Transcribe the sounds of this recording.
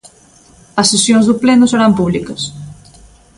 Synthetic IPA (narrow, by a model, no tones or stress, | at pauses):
əsːesjonzðuplenusəɾampuβlikəs